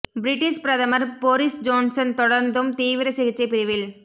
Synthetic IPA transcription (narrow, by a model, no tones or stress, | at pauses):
bɪɾɪʈːɪʂpɾɐðɐmɐɾboːɾɪsd͡ʒoːnsɐnt̪ɔɽɐɾnd̪ɯmt̪iːʋɪɾɐsɪɣɪt͡ʃːɐɪpɪɾɪʋɪl